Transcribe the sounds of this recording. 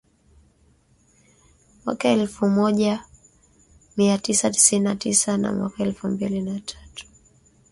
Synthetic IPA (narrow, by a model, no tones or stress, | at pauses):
mwa̰kaɛlfumɔʄa | miatisati̥sininːatisana̰mwakaɛlfumbilinatʰḁtu̥